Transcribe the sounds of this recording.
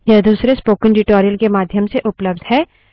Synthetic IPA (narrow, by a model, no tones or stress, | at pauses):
jɐd̪uːsɾespoːkɪ̃nɖɪʈoːɾijəlkemaːd̪ʱjəmseʔʊpləbd̪ʱɦɛː